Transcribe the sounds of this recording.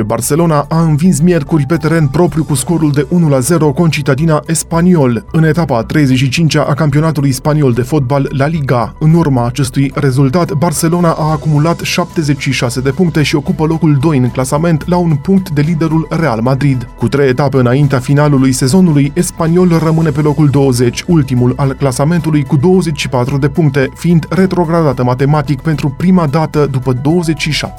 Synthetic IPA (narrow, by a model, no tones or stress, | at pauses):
barse̞lo̞naʔaɨnvins̬mje̞rkurʲpe̞t̪e̞ɾe̞npɾo̞pɾʲjukusko̞ɾuld̪e̞ʔunulaze̞ɾo̞ko̞nt͡ʃit̪əd̪inaʔespanio̞lɨne̞t̪apat̪ɾe̞jze̞t͡ʃʃit͡ʃint͡ʃaʔakampio̞nat̪ulujspanio̞ld̪e̞fo̞t̪̚balːaliɡaɨnurmaːt͡ʃe̞st̪ujre̞zult̪at̪barse̞lo̞naʔaːkumulat̪ʃap̚t̪e̞ze̞t͡ʃʃiʃase̞d̪e̞puŋkt̪e̞ʃio̞kupəlo̞kuld̪o̞jɨnklasame̞nt̪launpuŋk̚t̪d̪e̞lid̪e̞ɾulre̞almad̪ɾid̪kut̪ɾe̞jet̪apeɨnaint̪eafinalulujse̞zo̞nulujespanio̞lrəmɨne̞pe̞lo̞kuld̪o̞wəze̞t͡ʃʲult̪imulalklasame̞nt̪ulujkud̪o̞wəze̞t͡ʃʃipat̪ɾud̪e̞puŋk̚t̪e̞fiind̪re̞t̪ɾo̞ɡɾad̪at̪əmat̪e̞mat̪ikpent̪ɾupɾimad̪at̪əd̪upəd̪o̞wəze̞t͡ʃʃiʃa̰pt̪e̥